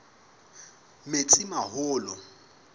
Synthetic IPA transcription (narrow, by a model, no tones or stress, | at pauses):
met͡sʼɪmaɦʊːlɔ